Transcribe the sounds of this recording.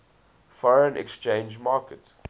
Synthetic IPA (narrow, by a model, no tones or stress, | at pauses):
fɔɹə̃nʔɛ̰kst͡ʃẽɪ̃nd͡ʒmɑːkət